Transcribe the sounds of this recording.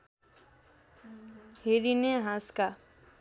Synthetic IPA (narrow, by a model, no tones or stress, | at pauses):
heɾineɦãska